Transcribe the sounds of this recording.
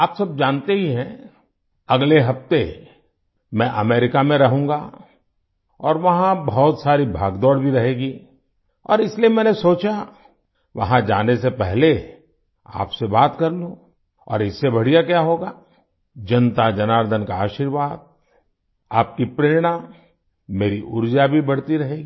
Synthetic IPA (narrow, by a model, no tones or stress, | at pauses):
aːpsɐb̚d͡ʒaːnt̪eɦiɦɛ̃ | ɐɡleɦɐft̪e | mɛ̃ʔɐmeːɾɪkamẽɾɐɦũːŋɡaː | ɔːɾʋɐɦãbɔːt̪saːɾibʱaːɡd̪ɔːɽbʱiɾɐɦeːɡiː | ɔ̰ːɾɪsliemɛ̃ːnesoːt͡ʃa | ʋɐɦãd͡ʒaːnesepɛɦle | a̰ːpsebaːt̪kɐɾlũ | ɔ̰ːɾɪsːebɐɽ̤ijakjaɦoːɡaː | d͡ʒɐnt̪ad͡ʒɐnaːɾd̪ʱənkaaːʃiɾʋaːd̪̚ | aːp̚kipɾeːɾɽ̃a | meːɾiʔʊɾd͡ʒabʱibɐɽ̤t̪iɾɐɦeːɡi